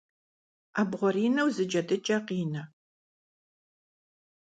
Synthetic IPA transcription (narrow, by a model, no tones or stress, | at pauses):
aːbʁʷɔɾiːnɐwzɨd͡ʒɐdɨt͡ʃʼɐqiːnɐ